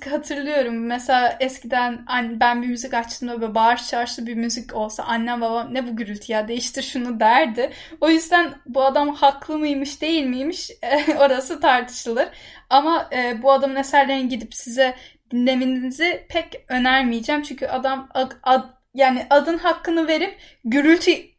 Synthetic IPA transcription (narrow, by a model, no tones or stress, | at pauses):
hat̪ʰɯɾlˠɯjo̞ɾumːɛselʲaːʔɛscid̪ænanbænbimyzicat͡ʃt̪ʰɯmd̪abøbaːɾt͡ʃʰaɾʃlˠɯbimyzico̞lˠsa̰ʔanːambabanɛbuɟyɾylʲt̪ʰijaːd̪e̞jiʃt̪ʰiɾʃunud̪æɾd̪ɪo̞jyzd̪ænbuad̪amhaklˠɯmɯjmɯʃd̪e̞jilʲmɯjmiʃɛo̞ɾasɯt̪ʰaɾt̪ʰɯ̥ʃɯlˠɯɾamaɯːbuad̪amnesæɾlʲejinɟid̪ipsizɛd̪inlːe̞mininizɪpʰɛcø̞næɾmijd͡ʒæːmt͡ʃʰyɲcʰyʔad̪amaa | jaːnɪʔad̪ɯnɦakːɯnɯve̞ɾip̚ɟyɾylʲt̪ʰy